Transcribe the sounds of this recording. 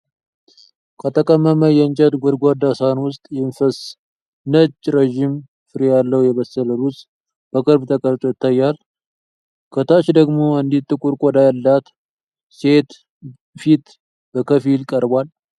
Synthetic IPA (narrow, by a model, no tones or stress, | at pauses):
kʰət̪ʰəkʼəmːəməjɛnt͡ʃʼəd̪ɡʷɔd̪ɡʷad̪asanwʊst̪ʼjɛmfəs | nət͡ʃʼːɾeʒim | fɨɾijalːəwjɛβəsələɾusʼ | b̥əkʼɨɾbt̪ʰəkʼəɾt̪ʼojɪt̪ʰːajːal | kʰət̪ʰaʃd̪əɡmo̞ɨnd̪it̪ʼːɨkʼuɾkʼɔd̪ajalːat̪ | se̞t̪ | fit̪ | bəkʰəfilkʼəɾbʷal